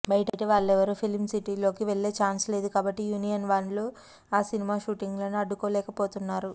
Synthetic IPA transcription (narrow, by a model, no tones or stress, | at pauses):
bɐjʈɐʈɐʋaːɭːɛʋɐɾupʰilmsiʈiːlo̞ːkiʋeɭːe̞ːt͡ʃaːnsle̞ːd̪ukaːbɐʈːijuːnijɐnʋaːɳloː | aːsinimaːʃuːʈiŋɡloːnuɐɖːukoːlɛːkɐpoːt̪unːaːɾu